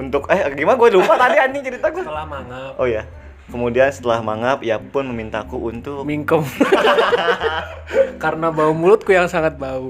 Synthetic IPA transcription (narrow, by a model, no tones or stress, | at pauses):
unt̪ʊkɛhɡimanaɡuɛlumat̪adianɪt͡ʃəɾit̪aɡuat̪əlahmaŋapʔoja | kəmudiansə̥t̪əlahmaŋapijapʊnməmint̪akuʔunt̪ʊmiŋkəm | kaɾənabaumulʊt̪̚kujaŋsaŋat̪̚bau